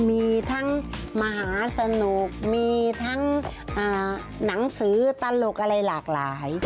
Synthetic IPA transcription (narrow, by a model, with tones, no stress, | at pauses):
miː˧t̪ʰa˦˥˩ŋma˧ɦaː˩˦sa˧nu˨˩k̚miː˧t̪ʰa˥˩ŋʔaː˨˩ | na˩˦ŋsɯː˩˦t̪a˧lo˨˩k̚ʔa˧ɾa˧jlaː˨˩k̚laː˩˦j